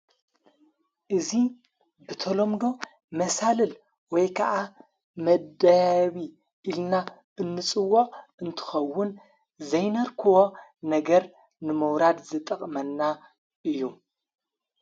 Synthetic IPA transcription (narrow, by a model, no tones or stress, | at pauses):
ʔɨzi | bɨt̪ʰolo̞md̪o̞ | mɐsalɨl | wɔjkʰɐʔa | mɐd̪ɐjaβi | ʔilna | ʔɨnːɨt͡sʼɨwːoʔɨnt̪ʰɨ̥xɐwːʊn | zɐjnɐɾkʰɨwo̞nɐɡɐɾ | nɨmɐwɾad̪zɨt̪ʼɐχʼmɐnːa | ʔɨjːu